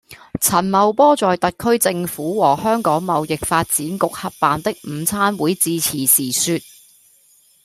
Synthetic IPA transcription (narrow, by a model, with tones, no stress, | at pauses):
t͡sʰɐ˨˩nmɐ˨wpɔː˥t͡sɔː˨jt̪ɐ˨t̚kʰɵ˥ɥt͡sɪ˧ŋfuː˨˥wɔː˨˩hœː˥ŋkɔː˨˥ŋmɐ˨wjɪ˨k̚faː˧t̚t͡siː˨˥nkʊ˨k̚hɐ˨p̚paː˨nt̪ɪ˥k̚m̩˨˧t͡sʰaː˥nwuː˨˥jt͡siː˧t͡sʰiː˨˩siː˨˩syː˧t̚